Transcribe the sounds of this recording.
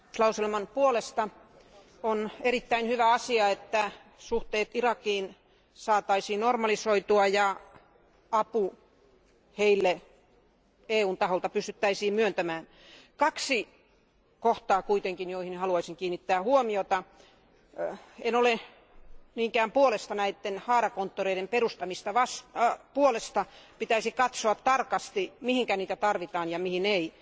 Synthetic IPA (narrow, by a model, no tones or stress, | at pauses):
lɑuselmɑnpuolest̪ɑ | onerit̪ːæinhyʋæɑsiɑet̪ːæ | suht̪eːt̪irɑkiːn | sɑːt̪ɑisiːnnormɑlisoit̪uɑjɑ | ɑpu | heilːe | eːuːnt̪ɑholt̪ɑpyst̪yt̪ːæisiːmmyønt̪æmæːn | kɑksi | koht̪ɑːkuit̪eŋkinjoihinhɑluɑisiŋkiːnːit̪ːæːhuomiot̪ɑ | enole | niːŋkæːmpuolest̪ɑnæit̪ːenhɑːrɑkont̪ːoreiɾemperust̪ɑmist̪ɑʋɑspuolest̪ɑpit̪æisikɑt̪soɑt̪ːɑrkɑst̪imihiŋkæniːt̪æt̪ɑrʋit̪ɑːnjɑmihinei